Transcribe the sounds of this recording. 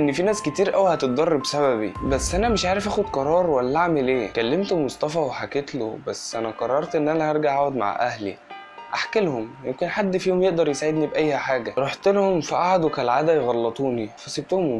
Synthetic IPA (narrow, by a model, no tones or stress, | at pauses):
ʔenːfinæːsket̪iːɾʔæwihæt̪et̪̚d̪ˤɑrˤːebsæβæβḭbæsːʔænæmeʃʕaːɾefʔæːxod̪qɑɾˤɑːɾˤwælːælaʕmelʔeːkælːemt̪most̪ɑfæweħaket̪lo̰bæsːʔænæqɑrˤːɑɾˤt̪ʔenːʔænæhɑɾˤɡaʕaod̪ma̰ʕʔæ̰hlḭ | ʔaħkelhomjemkenħad̪ːfiːhomjeʔd̪ɑɾˤjesaʕed̪nibʔæjːhæħaːɡæɾˤoħt̪elhomfiʔaʕad̪wkælʕaːd̪æjɣɑlːɑt̪ˤuːnifæsib̚t̪ohom